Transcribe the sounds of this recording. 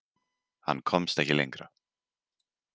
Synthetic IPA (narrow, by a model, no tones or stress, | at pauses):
ha̰nːkʰɔmst̪ɛhcɪlejŋkɾa